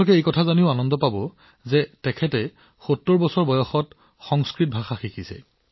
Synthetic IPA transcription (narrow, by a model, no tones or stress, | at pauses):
lɔkɛejkɔtʰazaniʊanɔndɔpabɔ | zɛtɛkʰɛtɛ | xotːɔɹbɔsɔɹbɔjɔxɔt | xɔŋskɹit̚bʱaxaxikʰisɛ̰